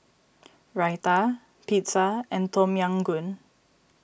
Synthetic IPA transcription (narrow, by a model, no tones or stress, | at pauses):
ɹajt̪a | pʰitsaʔɛ̃nt̪ʰɔmjãŋɡun